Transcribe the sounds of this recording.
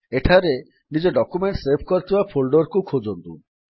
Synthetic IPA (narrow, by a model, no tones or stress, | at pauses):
eʈʰaɾe | nid͡ʑeɖɔkumeɳʈsebʰʱkoɾt̪ʰibapʰolɖoɾkukʰod͡ʒont̪ṵ